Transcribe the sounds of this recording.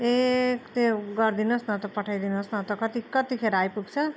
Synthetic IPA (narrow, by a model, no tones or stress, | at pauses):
ekt̪eɡʌrd̪inʌsnʌt̪ʌpʌʈʰajd̪inosnʌt̪ʌkʌt̪ikʌt̪ikʰeɾajpuɡt͡sʰʌ